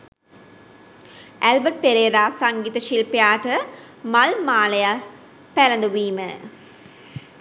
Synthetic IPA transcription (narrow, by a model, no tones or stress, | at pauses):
ʔælbəʈ̚peɾeːɾaːsɐŋɡiːt̪ɐʃilpejaːʈɐ | mɐlmaːlɐja | pælɐnd̪uʋiːmə